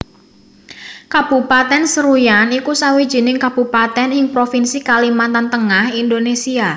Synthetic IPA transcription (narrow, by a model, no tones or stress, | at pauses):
kab̥ṳpat̪ɛnsəɾujanikusawid̥ʒ̥i̤nɪŋkab̥ṳpat̪ɛnhɪŋpɾofinsikalimant̪ant̪əŋahindonesia